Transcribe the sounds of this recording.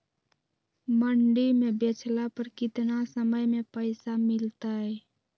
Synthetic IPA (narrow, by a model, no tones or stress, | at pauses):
məɳɖimẽbet͡ʃʰlapəɾkɪt̪nasəməjmẽpəɪsamɪlt̪aɦɛː